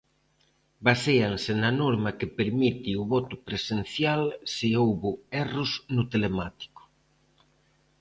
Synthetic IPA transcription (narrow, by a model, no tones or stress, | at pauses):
baseansenanɔɾmakepeɾmit̪iuβɔt̪ʊpɾesen̟θjalsiowβʊɛrʊsnʊt̪elemat̪i̥kʊ̥